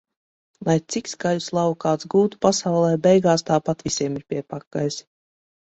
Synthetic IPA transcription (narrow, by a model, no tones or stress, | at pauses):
lˠajt̪sikskaluslˠawkaːt̪sɡuːt̪u̥pasawlˠɛːbɛjɡaːst̪aːpat̪vʲisʲiɛmiɾpʲiɛpakːajs